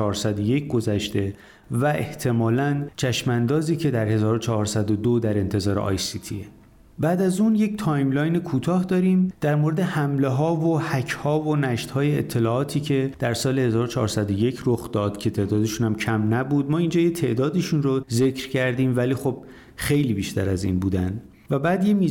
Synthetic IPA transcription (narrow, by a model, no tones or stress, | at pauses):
ɒːɾsæd̪oje̞cʰɡo̞zæʃt̪e̞ | væʔe̞̰ht̪ʰe̞mɒːlænt͡ʃʰæʃmænd̪ɒːziːcʰe̞d̪æɾhe̞zɒːɾot͡ʃʰɒːɾsæd̪od̪od̪æɾe̞nt̪ʰe̞zɒːɾḛʔɒ̰ːjsit̪ʰḭe | bæːd̪æzunje̞ct̪ʰɒːjmlɒːjnekʰuːt̪ʰɒːhd̪ɒːɾiːmd̪̥æɾmoɾed̪e̞hæmle̞ɦɒːvohæcʰhɒːvonæʃt̪hɒːjeet̪ʰːe̞lɒːɒːt̪ʰiːcʰe̞d̪̥æɾsɒːle̞he̞zɒːɾot͡ʃʰɒ̰ːɾsæd̪oje̞cʰɾoxd̪ɒːd̪̥cʰe̞t̪ʰe̞ːd̪ɒːd̪eʃunæmcʰæmnæbuːd̪mɒːind͡ʒɒːjet̪ʰe̞ʔd̪ɒːd̪iʃunroze̞cʰɾcʰæɾd̪iːmvæliːxo̞b̥̚ | xe̞jliːbiːʃt̪ʰæɾæzḭːnbuːd̪ænd̪ | væbæːd̪jemiː